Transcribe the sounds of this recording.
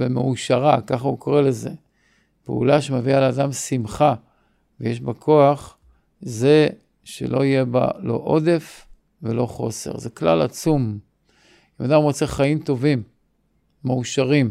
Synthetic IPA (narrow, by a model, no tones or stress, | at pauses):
vemeuʃaʁakaχauko̞ʁele̞ze̞ | pḛṵlaʃemevialeaːd̪amsimχa | vejeʃbakʰo̞aχ | ze̞ | ʃe̞̰lo̞ijeba̰lo̞̰ʔo̞d̪e̞f | vḛlo̞χo̞̰se̞̰ʁzekla̰la̰t͡sum | imad̪amʁo̞t͡se̞χaimt̪o̞vimː | euʃaʁim